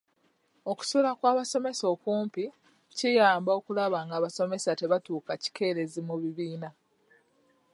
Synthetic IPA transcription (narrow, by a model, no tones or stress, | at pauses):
o̞ku̥sulakwaːβaso̞me̞so̞ːkuːmpi | cijaːmbao̞kulaβaŋɡaːβaso̞me̞sate̞βatuːkaci̥ke̞ːɾe̞zimuβiβiːna